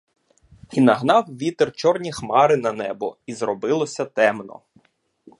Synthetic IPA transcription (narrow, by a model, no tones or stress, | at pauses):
inɐɦnɑwʋʲit̪ert͡ʃɔrnʲixmɑɾɪnɐnɛbɔizrɔbɪlˠɔsʲɐt̪ɛmnɔ̰